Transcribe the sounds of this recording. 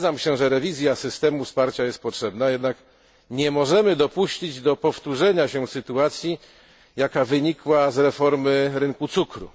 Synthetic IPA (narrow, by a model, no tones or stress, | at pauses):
zamɕɛʐɛɾɛvʲizʲjasɘst̪ɛmufspaɾt͡ɕajɛst̪̚pɔtʂɛbnajɛd̪nak | ɲɛmɔʐɛmɘd̪ɔpuɕt͡ɕid͡ʑd̪ɔpɔft̪uʐɛɲaɕɛsɘt̪uat̪sʲji | jakavɘɲikwazɾɛfɔɾmɘɾɘŋkut̪sukɾṵ